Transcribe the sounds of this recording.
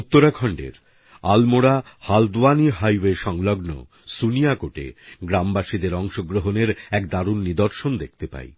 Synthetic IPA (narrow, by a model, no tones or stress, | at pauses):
ut̪ːoɾakʰɔɳɖḛɾ | almoɽahald̪uaniɦajweʃɔŋlɔɡno̰ | sunijakoʈḛɡɾambaʃid̪eɾɔŋʃoɡɾoɦoneɾɛkd̪aɾunːid̪oɾʃond̪ek̚ʰt̪epa̰e